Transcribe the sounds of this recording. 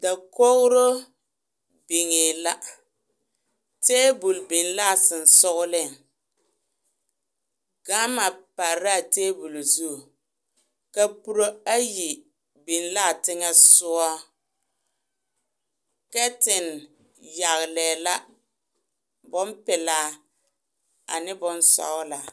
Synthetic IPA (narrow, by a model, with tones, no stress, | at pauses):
da˨ko˦ɣʊ˦ɾo˦ | bi˨ŋe˨la˦ | teː˦bu˨lbɪ˨nla˦˨sɪ˨n̩˨sʊ˦ɣʊ˦lɪ˦˨ŋ | ɡ̥a˦ma˨pa˨ɾa˦˨teː˦bu˨lzu˦˨ | ka˦pu˦ɾo˦a˦ji˨ | bi˨nla˦˨tɪ˦ŋɛ˦sʊ˦ɔ˦ | kɛ˦tɪ˨n | ja˨ɣlɛː˨la˦ | bʊ˦mpɪ˨laː˦ | a̰˨nɪ˦bʊ˨nsɔ̰˦ɣʊ˦la˨